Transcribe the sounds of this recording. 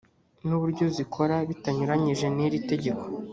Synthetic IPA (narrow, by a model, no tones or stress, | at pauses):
nuβuɾɟo̞zikʰo̞ɾaβitaɲuɾaɲiʒe̞niɾite̞ɟe̞ko̞̥